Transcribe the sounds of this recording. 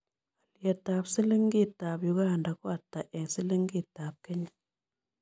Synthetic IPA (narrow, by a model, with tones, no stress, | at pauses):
a˨lje˨ta˨psi˦li˦ŋɡi˦ta˨pju˦ɡaː˦˨nda˨kwa˨tːa˨ʔɛ˨sɪ˦li˦ŋɡi˦˨ta˨p̚ke˦ɲ